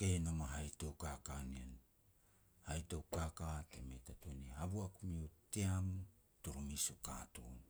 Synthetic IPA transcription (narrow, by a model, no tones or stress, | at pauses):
kenamaɦajtowkakanian | hajtowkakatemetatoniɦaβuakumiuteamu | tuɾumisukaːton